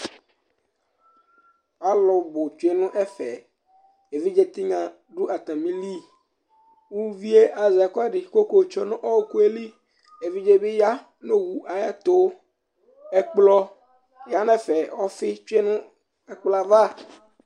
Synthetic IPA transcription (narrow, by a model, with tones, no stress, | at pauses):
a˦lɔ˨˦bo˨t͡ʃu˦e˦nũ˦ʔɛ˦fɛ˨ | e˨vi˦d͡ʒe˦t̪i˦ŋã˨ | ɖu˦ʔa˨t̪ã˨mĩ˦li˦ | wu˦vi˦e˦ʔa˨zɛ˨kɔ˦ɖɪ˨ko˦ko˦˨t͡ʃɔ˦nɔ̃˦ʔɔ˦ku˦e˦li˦ | e˨vi˦d͡ʒe˦bi˦ja˦ | nõ˦wu˨ʔa˨ja˦t̪o˦ | ɛ˦k͡plɔ˦ | ja˦nɛ̃˦fɛ˨wɔ˦fɪ˦t͡ʃu˦e˦nũ˦ | ɛ˦k͡pla˨va˦˨